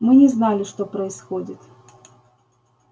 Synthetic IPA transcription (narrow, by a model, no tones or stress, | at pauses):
mɨnʲɪznalʲɪʂt̪o̞pɾəɪsxodʲɪt̪